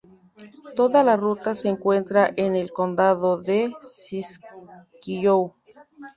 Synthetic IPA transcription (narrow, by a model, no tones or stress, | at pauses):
t̪o̞ðalarut̪aseːŋkwent̪ɾaʔenelkond̪aðoðesiskijow